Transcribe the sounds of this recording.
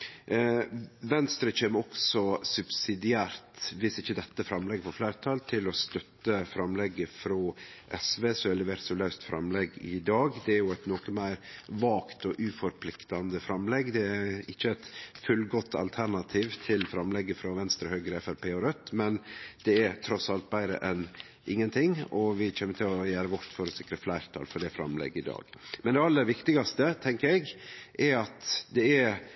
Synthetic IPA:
ʋɛnst̪ɾət͡ʃeːməɾɔksɔsʉbsɪd̪ɪæːɾt̪ʋɪsɪçːəd̪ɛt̪ːəfɾɑmlɛɡːəpɔflæːɾət̪ʰɑlt̪ʰɪlɔst̪œt̪ːəfɾɑmlɛɡːəfɾɑ | ʔɛsʋeːsɔɛləʋeːɾt̪sɔlɑʉst̪fɾɑ̰mlɛɡɪ̰d̪ɑːɡd̪ɛæɾjʊɛt̪nɔkəmæɪɾʋɑːkt̪ɔʔʉːfɔɾpʰlɪkt̪ɑnd̪əfɾɑmlɛɡd̪ɛæɪçːəɛt̪fʉlɡɔt̪ʰːɑ̰lt̪ʰæɾɳɑt̪ʰiːʋt̪ʰɪlfɾɑmlɛɡːəfɾɑʋɛnst̪ɾəhœʏɡəɾəɛfæɾpʰeːɔɾœt̪ːmɛnd̪̥ɛɛɾt̪ʰɾɔsɑlt̪̚bæɪɾə̰ʔɛn | ʔɪŋːənt̪ʰɪŋɔʋɪc͡çɛmːət̪ʰɪlɔjæːɾəʋɔʈ̪fɔɾɔsɪkɾəflæɪɾt̪ʰɑ̰ːlfɔɖɛfɾɑ̰mlɛ̰ɡːɪd̪ɑ̰ːɡ̥mɛnd̪ɛɑlːəɾʋɪkt̪ɪɡɑst̪ət̪ʰɛŋkəɾɛɡʔɛɾɑt̪d̪ɛæɾ

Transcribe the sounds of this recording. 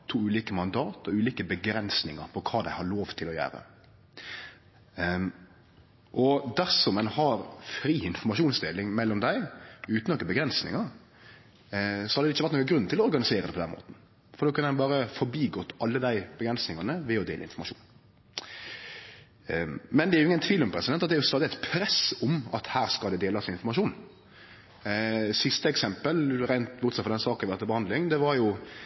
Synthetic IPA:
t̪ʰuːʉːliːkəmɑnd̪ɑːt̪ɔʉːliːkəbəɡɾɛnsnɪŋɑɾpʰɔkʰɑːd̪æɪhɑɾɭoːʋt̪ʰːɪlɔjæ̰ːɾə̰ | ʔɔd̪æsɔmɛnhɑɾfɾiːɪnfɔɾmɑʂuːnsd̪eːlɪŋmɛlːɔmd̪æɪʉːt̪nɔkːəbəɡɾɛnsnɪ̰ŋɑɾ | sɔ̥hɑd̪əd̪ɛɪçəʋæt̪nːkːəɡɾʉnːt̪ʰɪlɔɔɾɡɑnɪseːɾəd̪ɛpʰɔd̪ɛnmʔo̰ːt̪n̩ | fɔɾd̪oːkʰʉnnbɑːɾəfɔbiːɡɔt̪ːʔɑlːəd̪æɪb̥əɡɾɛnsnɪŋɑnəʋɛɔd̪ḛːlə̰ɪ̰nfɔɾmɑʂṵːn | mɛnd̪ɛæɾjʊɪŋːənt̪ʰʋiːlɔmpʰɾɛsɪd̪ɛnt̪ɑt̪d̪æɾjʊst̪ɑːd̪ɪɛt̪pʰɾɛsʊmɑ̰t̪hæːɾskɑld̪ɛd̪eːlɑsɪnɪnfɔɾmɑʃuːn | sɪst̪əɛksɛmpəlɾæɪnt̪bʊt̪sɑt̪fɔd̪ɛnsɑːk̪ːʋɛɾt̪əbəhɑnd̪lɪŋd̪ɛʋɑɾjʊ

